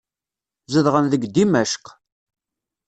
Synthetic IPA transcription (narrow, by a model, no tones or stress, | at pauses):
zəðʁənðəɡd̪imæʃq